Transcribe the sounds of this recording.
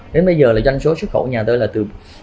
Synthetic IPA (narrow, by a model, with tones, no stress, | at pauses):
ɗe˨˦nɓə˧jzəː˨˩laː˨˩zwa˧jŋ̟so˨˦su˦˥t̚xə˧˩wɲaː˨˩t̪əː˨˦jlaː˨˩t̪ɨ˨˩